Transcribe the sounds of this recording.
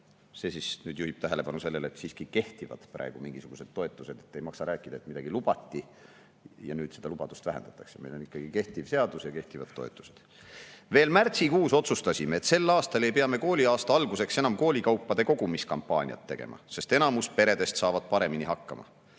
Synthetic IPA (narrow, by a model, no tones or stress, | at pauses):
se̞ːsisnyːd̪̥juhib̥̚t̪æɦe̞le̞pɑnuse̞lːeleet̪siːskike̞ht̪ivɑ̰d̪̥præ̰eɡ̥umiŋɡisuɡ̥use̞d̪̥̚t̪ːo̞e̞t̪ˑːuse̞d̪̥e̞̥t̪ːejmɑksɑɾæːkːˑid̪̥ɑet̪mid̪ɑɡ̥ilub̥ɑt̪ʲːi | jɑ̰nyːd̪̥se̞d̪̥ɑlub̥ɑd̪̥ust̪væɦend̪ɑ̥t̪ːˑɑkseme̞jlo̞nikːˑɑɡ̥ike̞ht̪ivse̞ɑd̪̥usjɑke̞ht̪ivɑt̪ːo̞e̞̰t̪ːˑu̥se̥d̪̥ | ve̞ːlmært̪sikuːso̞t̪sust̪ɑsʲimeet̪se̞lːɑːst̪ɑle̞jpeɑme̞ko̞ːlʲiɑːst̪ɑɑlɡuse̞kse̞nɑmko̞ːlʲikɑwpˑːɑd̪̥e̞ko̞ɡ̥umiskɑmpːɑːnʲḭɑ̰t̪ːe̞ɡ̥e̞̰mʔɑ̰se̞st̪e̞nɑmuspe̞ɾe̞d̪e̞st̪sɑːvɑd̪̥̚pɑɾe̞miniɦɑkːɑmɑ̰